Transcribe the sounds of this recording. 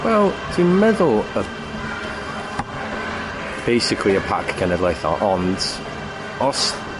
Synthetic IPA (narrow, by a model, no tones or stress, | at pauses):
wɛlˠd̥imɛðʊlˠə | b̥ejsɪkʰliəpʰa̰kʰɡʰɛnədlˠajθɔ̰ʔɔnd | ɔs